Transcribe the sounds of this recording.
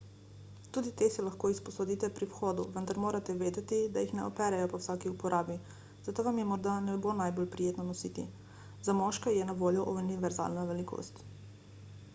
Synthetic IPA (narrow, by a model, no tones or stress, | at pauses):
t̪uːd̪it̪esɛlaxkoːispɔsɔd̪it̪ɛpɾiwxɔːd̪uʋənd̪aɾmoːɾat̪ɛʋeːd̪ɛt̪id̪ajixnɛɔpɛːɾɛjɔpɔwsaːkiupɔɾʔaːbi | zat̪oːʋamjɛmɔɾd̪anɛbonajboːlpɾijeːt̪nɔnɔsiːt̪ḭ | zamɔʃkɛjɛnaʋoːljɔʔuniʋɛɾza̰ːlnaʋɛlikʰo̰ːst̪